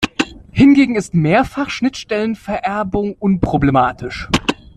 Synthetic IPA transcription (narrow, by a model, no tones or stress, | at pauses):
hɪnɡeːɡŋ̩ɪstmeːɐfaχʃnɪtʃtɛlənfɛɐʔɛɐbʊŋʔʊnpʁ̥oblemaːtʰɪʃ